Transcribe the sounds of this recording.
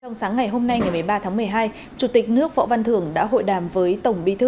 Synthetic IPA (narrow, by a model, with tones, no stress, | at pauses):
t͡ɕɔ˧wŋ͡msaː˨˦ŋːa˨˩jɦo˧mna˧jŋa˨˩jmɨ˨˩əjɓaː˧t̪ʰaː˨˦mɨ˨˩əjɦaː˧j | t͡ɕu˨˧˩t̪ï˨˩k̟̚nɨ˦˥ək̚vɔ̰˧˨va˧nt̪ʰɨ˨˧˩əŋɗa̰ː˧˥ɦo̰˧˨jɗaː˨˩mvəː˨˦jt̪ə˧˩wŋ͡mɓi˧˦t̪ʰɨ˧